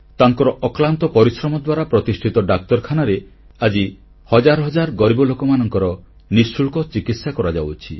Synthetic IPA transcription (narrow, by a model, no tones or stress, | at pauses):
t̪aŋkɔɾɔʔɔklant̪ɔpɔɾisɾɔmɔd̪waɾapɾɔt̪isʈʰit̪ɔɖak̚t̪ɔɾkʰanaɾe | ad͡ʒi | hɔd͡ʒaɾɔɦɔd͡ʒaɾɡɔɾibɔlokɔmanɔŋkɔɾɔ | nisuɭkɔt͡ʃikit̪sjakɔɾad͡ʒawt͡ʃʰi